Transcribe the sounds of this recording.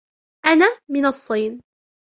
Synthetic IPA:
ʔanaːmɪnɑsˤːɨːn

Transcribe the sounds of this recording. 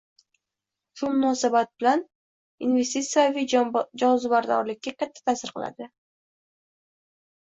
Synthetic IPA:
ʃʊmʊnɒsabat̪̚b̥ɪlan | inve̞st̪it̪sijavid͡ʒɒzɪbaɾd̪ɒ̰ɾlɪk̚ʲːakʲʰat̪ʰːḁt̪ʰasɪɾqɨlˠa̰d̪ɪ

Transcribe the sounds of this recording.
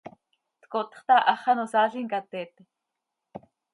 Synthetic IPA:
t̪kot̪χt̪aʔaχɑnosaːɮiŋkat̪et̪

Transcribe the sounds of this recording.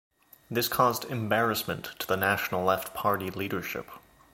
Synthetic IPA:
ðɪskʰɔzdɨ̃mbɛɹɨsmɨ̃ntʰəðənæʃn̩l̩ˠlɛftpʰɑɹɾiliɾə˞ʃɪ̰p

